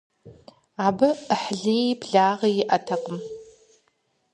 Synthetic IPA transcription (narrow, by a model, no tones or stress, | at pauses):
aːbɨəħɮiebɮaːʁijiʔɐtʰɐqʼəm